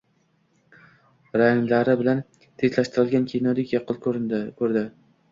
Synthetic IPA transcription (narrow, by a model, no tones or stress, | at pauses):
ɾajŋlaɾɪbɪlan | t̪ʰezlaʃt̪ʰɪɾɪlˠɡʲankʲʰejnɒd̪ɪkʲjɑqʰɨlˠkʰɾkʰɵɾd̪ɪ